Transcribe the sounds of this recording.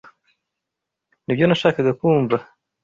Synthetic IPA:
nibjo̞naʃaːkaɡakuːɱva

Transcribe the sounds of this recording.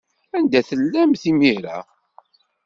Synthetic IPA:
ænd̪æθəlːæmθimiɾæ̰

